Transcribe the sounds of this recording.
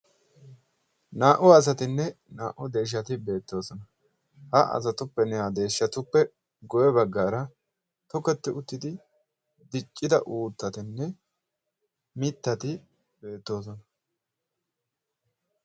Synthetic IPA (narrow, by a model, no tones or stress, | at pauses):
naːʔʊɐs̬ɐt̪ɪnːɛ | naːʔʊd̪e̞ːʃ̬ːɐt̪ɪbe̞ːt̪ːo̞ːsɔnɐ | hɐɐ̰s̬ɐt̪ʊpːɛnɛjaːd̪e̞ːʃːɐt̪ʊpːɛ | ɡɔjɛbɐɡːaːɾɐ | t̪ɔkɛt̪ːɪʊt̪ːɪd̪ɪ | d̪ɪt͡ʃʼːɪd̪ɐ̰ʔuːt̪ːɐt̪ɪnːɛ | mɪt̪ːɐt̪ɪ | be̞ːt̪ːo̞ːsɔnɐ